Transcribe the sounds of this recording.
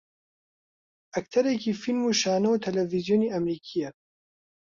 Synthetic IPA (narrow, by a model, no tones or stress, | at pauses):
ʔɐk̚t̪ʰɐɾekiːfilmuːʃaːnɐwut̪ʰɐlɛvizjoːniːʔɐmɾiːkʰijɛ